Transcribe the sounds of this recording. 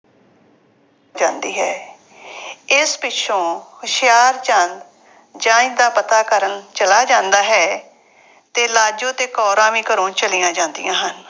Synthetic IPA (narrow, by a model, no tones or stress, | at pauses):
d͡ʒãːnd̪iːɦɛː | ɪspɪtʃʰõːhʊʃɪjaːɾt͡ʃãnd̪ | d͡ʒãːɪ̃nd̪aːpət̪aːkəɾənt͡ʃəlaːd͡ʒãːnd̪aːɦɛː | t̪eːlaːd͡ʒõːt̪eːkɔːɾãːʋĩːkəɾõːt͡ʃəlijãːd͡ʒãːnd̪ɪ̰jãːɦən